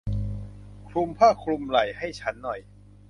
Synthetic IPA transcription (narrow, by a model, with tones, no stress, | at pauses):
kʰɾu˧mpʰaː˥˩kʰɾu˧mla˨˩jha˥˩jt͡ɕʰa˦˥nːɔ˨˩j